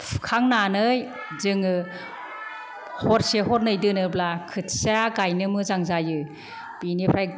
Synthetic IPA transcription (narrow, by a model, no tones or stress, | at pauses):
kʰaŋnanɯj | zɯŋɯ | hɔɾseɦɔɾ̚nɯjdɯnɯblakʰɯtsaɡajnɯmɯzaŋzajɯ | b̥inipʰɾaj